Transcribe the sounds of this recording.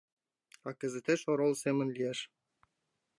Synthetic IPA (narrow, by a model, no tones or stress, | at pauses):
ɑkə̆zĕt̪eʃoɾolˠsemə̆nlʲijeʃ